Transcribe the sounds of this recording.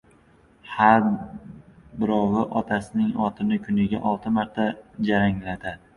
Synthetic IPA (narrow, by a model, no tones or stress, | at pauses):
haɾ | bɪɾɒwɪʔɒt̪ʰasɪnɪŋɒt̪ʰɪnɪkʰʊnɪɡʲa̰ʔɒlˠt̪ʰɪmaɾt̪ʰad͡ʒaɾaŋlad̪ɪ